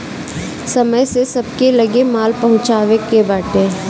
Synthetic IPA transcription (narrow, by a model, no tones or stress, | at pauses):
sɐməjsesɐb̚kelɐɡemaːlpɐɦʊ̃t͡ʃaːʋekebaːʈẽː